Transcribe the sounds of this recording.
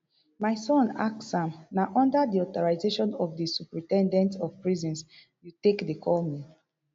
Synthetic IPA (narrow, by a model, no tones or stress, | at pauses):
maɪsɔ̃na̰ksãmnaʔɔ̃ndədiɔtɔɹaɪzeʃɔ̃nɔvdisupɹĩtɛ̃ndɛ̃ntɔvpɹizɔ̃ns | jutekdəkʰɔlmi